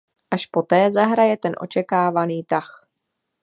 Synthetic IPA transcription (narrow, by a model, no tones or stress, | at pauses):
ʔaʃpo̞t̪ɛːzaɦɾajɛt̪ɛnʔo̞̰t͡ʃɛkaːvaniːt̪ax